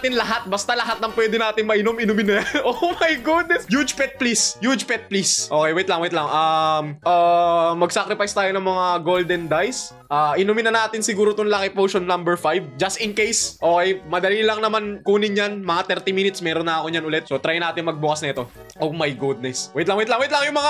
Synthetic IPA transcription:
t̪ɪnlɐɦat̪̚bɐst̪alɐɦat̪nɐŋpwɛːd̪ɪnaːt̪ɪŋmɐʔɪnomɪnʊmɪnajʔomɐjɡud̪̚nɛsjud͡ʒpɛt̪̚plisjud͡ʒpɛt̪̚plisʔo̞ːkɛjwɐɛt̪lɐŋwɐɛt̪lɐŋʔamʔaːmɐɡ̚sakɾɪpajst̪aːjonɐŋmɐŋaɡold̪ɛnd̪ajs | ʔaːʔɪnʊmɪnɐnaːt̪ɪnsɪɡuːɾot̪onlaːkɪpowʃonːɐmbɛɹfajv̚d͡ʒɐst̪ɪnkejsʔoːkɛjmɐd̪ɐliːlɐŋnɐmankuːnɪnɲanmɐŋat̪ɛɾt̪imiːnɪt̪smɛːɾonːɐɐkoɲanʊlɛt̪so̞t̪ɾajnaːt̪ɪŋmɐɡ̚bʊkɐsnɐɛt̪o̞ | ʔowmɐjɡud̪̚nɛswɛɪt̪lɐŋwɛɪt̪lɐŋwɛt̪lɐŋjʊŋmɐŋa

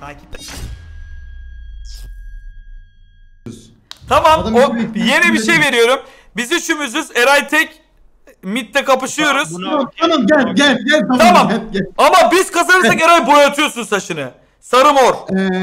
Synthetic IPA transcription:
t̪ʰaːcʰip̚t̪ɛ | t̪ʰamamoje̞nibiʃe̞jveɾijo̞ɾum | biziʃymyzyzɛɾajt̪ʰɛc | mit̪ːɛkʰapɯʃɯjo̞ɾuzmat̪ʰamamɟælɟælɟɛlaamamamabiz̥kʰazanɯakeɾajbojat̪ʰɯjo̞sunsaʃɯnɯ | saɾɯmoɾ

